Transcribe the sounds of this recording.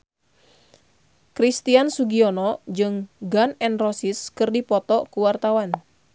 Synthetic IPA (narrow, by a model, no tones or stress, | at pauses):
kɾist̪iansuɡiɔnɔd͡ʒɨŋɡanɛnrɔsiskɨrdipɔt̪ɔkuwart̪awan